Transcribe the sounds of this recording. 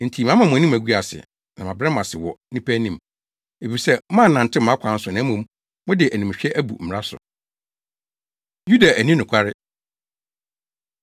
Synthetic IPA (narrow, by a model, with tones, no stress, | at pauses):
n̩˨tʰi˨mã˦m˦ã˨mʊ̃˨æ˨nĩ˦m˦æ˨ɡu˦a˨sɪ̰˨ | nã˨mã˨bɾɛ˦mã˨sɪ˨wɔ˨nĩ˦pʰæ˦nĩ˦˨m | e˨fi˨sɛ˦ã˦nã˨n̩˨tʰɪ˦m˨ã˨˦kʷʰã˨˦n̩˦sʊ˨nã˨˦mũ˨˦m˦ | mʊ̃˦dɪ˨ʔæ˨nĩ˨m˨ɕᶣɛ˦ʔæ˦bṵ˨m̩˨mɪ˨ɾa˦sʊ̰˨ | ju˦da˨ʔæ˨nĩ˦nʊ̃˨kʰa˦ɾɪ˦